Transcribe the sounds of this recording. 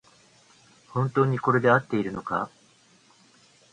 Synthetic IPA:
hõ̞nt̪o̞ːɲ̟iko̞ɾe̞d̪e̞at̪ːe̞iɾɯ̟no̞ka̰

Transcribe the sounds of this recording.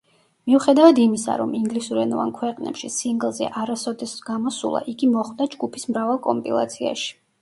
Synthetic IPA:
miuχɛd̪avad̪imisa̰ɾɔmiŋɡlisuɾɛnɔva̰nkʰwɛqʼnɛ̰pʃḭsiŋɡlˠzɛ̰ʔaɾasɔd̪ɛsɡ̥amɔsṵlˠa̰ʔiɡimɔχwd̪ad͡ʒɡupʰismɾavalˠkʼɔmpʼilˠa̰t̪sʰia̰ʃi̥

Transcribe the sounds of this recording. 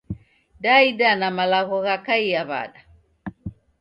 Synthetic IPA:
daidanamalaɣɔɣakaiaβa̰ɗa

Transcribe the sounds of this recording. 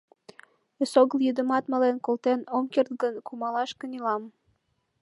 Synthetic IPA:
esoɣəljyd̪ə̆mɑt̪məlenkolt̪enomkert̪̚ɡənkumɑlɑʃkə̆nilɑm

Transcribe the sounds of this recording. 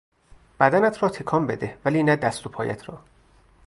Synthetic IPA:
b̥æd̪ænæt̪ʰɾɒːt̪ʰekʰɒːmbe̞d̪evæliːnæd̪æst̪opʰɒːjæ̰t̪ʰɾɒ̰ː

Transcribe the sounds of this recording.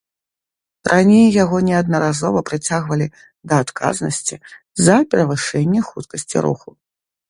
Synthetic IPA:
rʔanʲejːaɣɔnʲɛad̪̚nɐɾazɔvɐpɾɨt͡sʲaɣvɐlʲi | d̪ɐːt̪kʰa̰znɐsʲt͡sʲi | zɐpʲɛɾɐvɨʂɛnʲːɛxut̪kɐsʲt͡sʲḭɾṵxu

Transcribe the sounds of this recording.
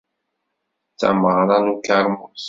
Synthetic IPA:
t͡sːæ̰məʁɾˤɑnukaɾˤmus

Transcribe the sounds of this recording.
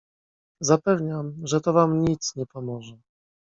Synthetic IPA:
zapɛvɲamʐɛt̪ɔvamɲit̪sɲɛpɔmɔʐɛ

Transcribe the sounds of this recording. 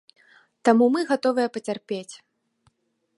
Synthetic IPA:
t̪amumɨɣat̪ɔvɨjɐpɐt͡sʲarpʲet͡sʲ

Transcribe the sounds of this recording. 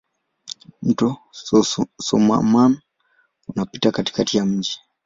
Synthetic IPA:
m̩tɔ | sɔ̰ma̰man | unapitakati̥katijam̩d͡ʒi

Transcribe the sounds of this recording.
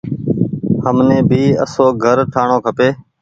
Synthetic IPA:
həmnẽːbʱiːə̰soːɡʱəɾʈʰaːɳõːkʰəpeː

